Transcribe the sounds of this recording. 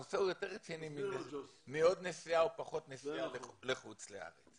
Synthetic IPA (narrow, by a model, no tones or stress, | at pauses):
oseujo̞teʁet͡sinimidemio̞d̪nesiaopaχo̞t̪nesialeχut͡slea̰ʁet͡s